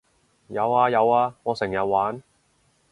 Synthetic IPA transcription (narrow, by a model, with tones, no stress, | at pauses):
jɐ˨˧waː˧jɐ˨˧waː˧ŋɔː˨˧sɪ˨˩ŋjɐ˨t̚waː˨˥n